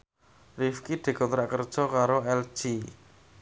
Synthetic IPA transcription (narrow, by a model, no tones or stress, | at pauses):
rifkid̪̥e̤kɔnt̪ɾaʔkərd̥ʒ̥ɔkaɾoɛl̥ʒ̥i